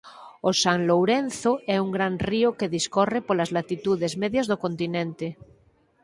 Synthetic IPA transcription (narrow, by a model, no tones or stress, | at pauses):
osaŋlowɾen̟θoɛuŋɡɾanriokeðiskorepolazlat̪it̪uðezmeðjazðokont̪inẽnt̪e